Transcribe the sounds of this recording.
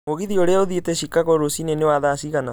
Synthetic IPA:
moɣiðioɾeaoðietɛʃikaɣɔɾosinenewaðasiɣana

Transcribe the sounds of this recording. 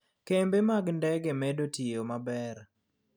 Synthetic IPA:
kembemaɡndɛɡemɛdotijomabɛr

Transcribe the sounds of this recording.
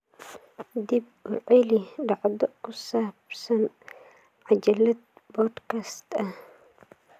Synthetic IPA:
d̪ib̚wʊʕɛliɖɑʕd̪ɔʔkʊsabsɐn | ʕad͡ʒɐlːɐd̪̚bɔd̪kast̪ɐ

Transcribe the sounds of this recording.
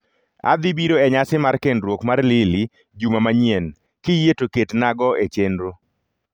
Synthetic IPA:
a̰d̪ɪbiɾoɛɲasɪmarkendɾwokmarlɪli | d͡ʒumamaɲjen | kɪjetoketnaɡɔet͡ʃenɾo

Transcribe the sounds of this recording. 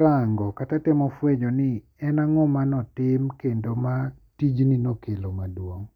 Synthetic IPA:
ɾaŋɡɔkatatɪmɔfwed͡ʒonɪ | ɛnaŋɔmanɔtɪmkendoma | tid͡ʒninokelomadwoŋ

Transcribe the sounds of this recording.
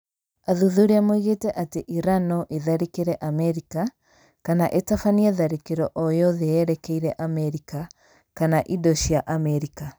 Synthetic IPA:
aðuðuɾeamoiɣetɛʔateʔiɾanɔʔeðaɾekeɾɛʔamɛɾika | kanaʔetafaniɛðaɾekeɾɔʔɔjɔðeɛɾɛkɛiɾɛʔamɛɾika | kanaʔidoɕiaʔamɛɾika

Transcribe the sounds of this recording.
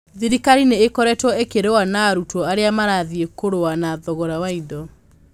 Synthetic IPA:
ðiɾikaɾineːkɔɾɛtwɔekeɾewanaːɾutɔaɾeamaɾaðiekoɾowanaðɔɣɔɾawaidɔ

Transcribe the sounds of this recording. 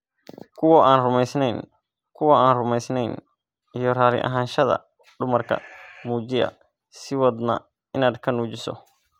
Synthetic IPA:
kʰʊwɔʔaːnrʊmɛjsnɛn | kʰʊwɐaːnrʊmɛjsnɛjn | ijɔraːlɪ̰ʔɐ̰ɦaːnʃɐðɐ̰ | ɖʊmɐrkʰɐ̰muːd͡ʒɪɐ̰ | sɪwɔd̪nɐ̰ | ɪnaːd̪kʰɐnuːd͡ʒɪsɔ̰

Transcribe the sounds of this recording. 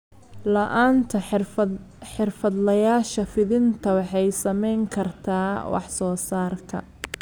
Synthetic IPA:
lɐʔaːnt̪ʰɐ | ħɪrfɐd̪lɐjaːʃɐfɪðɪnt̪ʰɐwɑħɑjsɐmɛjŋkʰɐrt̪ʰaːwʔɑ̰ħsɔːsaːrkʰɐ̰

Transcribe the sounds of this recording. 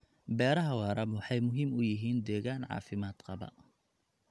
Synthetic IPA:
bɛːɾɐɦɐwɑːɾɐbwɑħɑjmʊɦiːmʊjɪɦiːnd̪ɛːɣaːnʕɑ̰ːfɪmaːd̪qɐbɐ̰

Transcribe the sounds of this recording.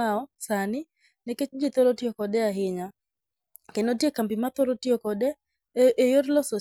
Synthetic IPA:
aɔsanɪ | nɛket͡ʃd͡ʒit̪ɔɾotjokɔdɛaɦɪɲa | kenotjekambɪmat̪ɔɾotjɔkɔdɛ | ʔejoɾlɔso

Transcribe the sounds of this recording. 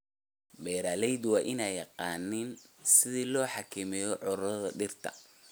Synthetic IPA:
bɛːɾaːlɛjd̪wɑːʔɪnɛjɑqɑːnɪnsɪðiːlɔːħɑkʰɪmɛjɔʕʊɾɐðɐɖɪrt̪ʰɐ̰

